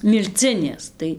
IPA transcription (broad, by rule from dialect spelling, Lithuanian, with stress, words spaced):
mʲɪlʲˈt͡sʲɪnʲeːs ˈtɐɪ